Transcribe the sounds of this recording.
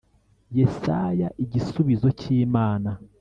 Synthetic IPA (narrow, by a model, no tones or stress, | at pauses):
je̞sajaʔiɟisuβizo̞ciːmaːna